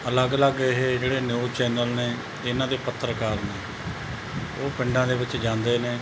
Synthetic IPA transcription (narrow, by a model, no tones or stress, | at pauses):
ələɡləɡɪɦeːd͡ʒeːɽeːnjuːt͡ʃɛːnəlneː | ɪnãːd̪eːpət̪ʰːəɾkaːɾneː | oːpɪɳɖãːd̪eːʋɪt͡ʃd͡ʒãːnd̪eːneː